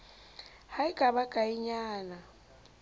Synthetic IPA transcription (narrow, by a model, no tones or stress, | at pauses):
haikʼaβakʼaiɲaːna